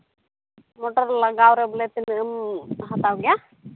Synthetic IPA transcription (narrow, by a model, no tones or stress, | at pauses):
moʈɐɾlaɡaːwɾeblet̪inəmɦɐt̪awɡja